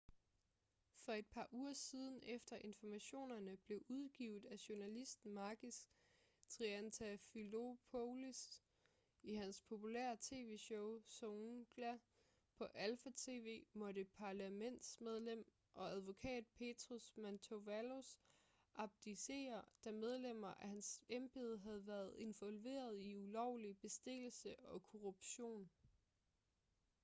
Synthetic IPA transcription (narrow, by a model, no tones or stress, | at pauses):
fɒ̽e̝d̥̚pʰɑ̈ːʔuːɐsiːð̞ˠn̩efd̥ɐʔe̝nfɒmæɕo̝̰ːnɐnəb̥le̝ʔuð̞ˠɡ̥ḭʊð̩ˠæɕo̝nælisd̥n̩mɑ̈ːɡ̥is | t͡sʰʁiænt͡sʰæfilo̝pʰolis | iɦænspʰo̝pulḛɐ̰t͡sʰe̝̰ːʋe̝ɕɔʊsoŋɡ̥læ | pʰɒ̽ʔælfæt͡sʰe̝ːʋe̝̰ːmɒɾ̥əpʰɑ̈læmen̰d̥smeð̞ˠlem̰ | ʔɒ̽æð̞ˠʋo̝kʰɛ̰ːd̥̚pʰe̝d̥ʰʁosmænt͡sʰoʋælo̝s | ʔɑ̈b̥̚d̥ise̝̰ːɐd̥æmeð̞ˠlem̰ɐʔæhænsemb̥e̝ːð̞ˠɦæð̞̩ˠʋæɐð̩ˠe̝nʋɒ̽lʋe̝̰ːɐð̞ˠiulɒʊ̰lib̥e̝sd̥e̝l̰l̩səɒ̽kʰo̝ʁub̥ɕo̝̰ːn